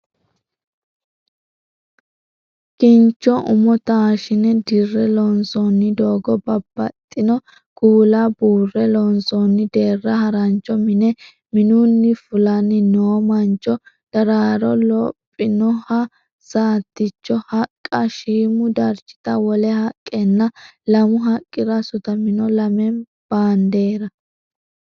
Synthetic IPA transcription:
kɪnt͡ʃːɔʔʊmɔt̪aːʃɪnɛd̪ɪrːɛlɔnsɔnːɪd̪oːɡɔbɐbːɐt̪ʼːɪnɔ | kuːlɐbuːrːɛlɔnsɔnːɪd̪e̞ːrːɐhɐɾɐnt͡ʃːɔmɪnɛ | mɪnunːɪfʊlɐnːɪnoːmɐnt͡ʃːɔ | d̪̥ɐɾaːɾɔlɔ̰pʼːɪnɔhɐ | saːt̪ːɪt͡ʃːɔhɐkʼːɐʃiːmʊd̪ɐɾt͡ʃːɪ̥t̪ɐwɔlɛhɐkʼːɛnːɐlɐmʊɦɐkʼːɪɾɐsʊt̪ɐmɪnɔlɐmɛn | b̥aːnd̪e̞ːɾɐ

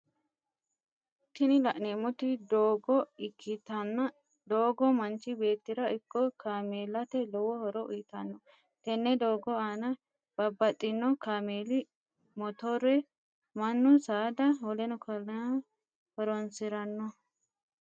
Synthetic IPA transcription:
t̪ːɪnɪlɐʔneːmɔt̪ɪd̪oːɡɔɪkʰːɪt̪ɐnːɐ | d̪oːɡɔmɐnt͡ʃːɪbe̞ːt̪ːɪɾɐɪkːɔkʰaːmeːlɐt̪ɛlɔwɔhɔɾɔʔʊjɪt̪ɐnːɔ | t̪ɛnːɛd̪oːɡɔaːnɐ | b̥ɐbːɐt̪ʼːɪnːɔkaːmeːlɪ | mɔt̪ɔɾɛ | mɐnːʊsaːd̪ɐhɔlɛnɔkʰ | hɔɾɔnsɪɾɐnːɔ

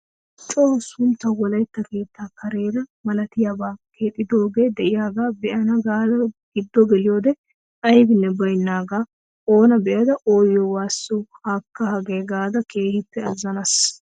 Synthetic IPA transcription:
t͡ʃʼoːsʊnt̪ːɐwɔlɐjt̪ːɐke̞ːt̪ːaːkɐɾe̞ːɾɐmɐlɐt̪ɪjabaːke̞ːt̪ʼːɪd̪o̞ːɡe̞ːd̪ɛʔɪjaːɡaːbɛʔɐnɐɡaːd̪ɐɡ̥ɪd̪ːɔɡɛlɪjoːd̪ɛ | ɐjbɪnːɛbɐjnːaːɡaː | o̞ːnɐbɛʔɐd̪ɐʔo̞ːjɔwaːsːuhaːkːɐhɐɡe̞ːɡaːd̪ɐke̞ːhɪpːɛɐzːɐnɐs

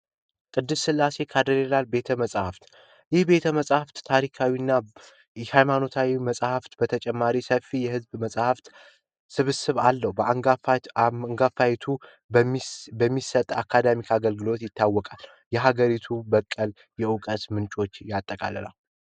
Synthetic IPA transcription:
kʼɨd̪ːɨssɨlːase̞kʰad̪əɾelalbe̞t̪ʰəməsʼhaft̪ | jɪhbe̞t̪ʰəməsʼhaft̪t̪ʰaɾikʰawiɨnːa | hajmano̞t̪ʰawiməsʼhaft̪bət̪ʰət͡ʃʼɛmːaɾisəfijɛhɨzbməsʼhaft̪ | sɨβɨsɨβalːəhbə | ŋɡafajt̪ʰu | bəmːisət̪ʼa̰kʰːad̪amikʰaɡəlɡɨlo̞t̪jɪt̪ːawːɔkʼal | jɛɦaɡəɾit̪ʰubəkʼːəl | jɛʊkʼət̪mɨnt͡ʃʼo̞t͡ʃːjat̪ʼːəkʼa̰lə̰la̰

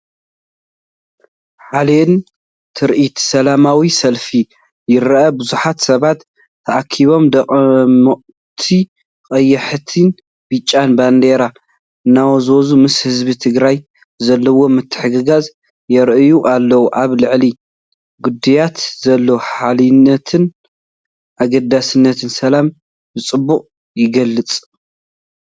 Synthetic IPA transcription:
ħalen | t̪ʰɨɾʔit̪sɐlamawisɐlfi | jɪɾʔɐbɨzuħat̪sɐβat̪ʰː | ɐʔakʰːiβo̞md̪ɐχʼmoʔ | t̪ʰi | kʼɐjːɐħt̪ʰin | bɨt͡ʃʼːanband̪eɾa | ɨnːawɐzozumɨshɨzbit̪ʰɨɡɾaj | zɐlːɐwo̞mɨt̪ʰːɨ̥ħɨɡɨɡaz | jɛɾʔɨjuʔalːɐwuʔaβlɨʕli | ɡʊd̪ɐjat̪zɐlːoħalɨnːɐt̪ʰɨn | ʔaɡɐd̪asɨnːɐt̪ʰɨnsɐlam | bɨt͡sʼɨbːuχʼ | jɪɡɐlːɨt͡sʼ

